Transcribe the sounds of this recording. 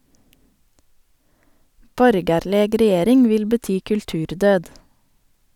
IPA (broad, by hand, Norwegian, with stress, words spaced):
ˈbɔɾɡɑɾləɡ ɾɛˈjeːɾɪŋ ˈʋɪl bəˈtyː kʉlˈtʉːɾˌdøːd